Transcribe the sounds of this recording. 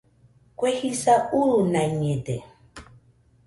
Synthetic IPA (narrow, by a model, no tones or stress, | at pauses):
kwehisauɾunãɲed̪e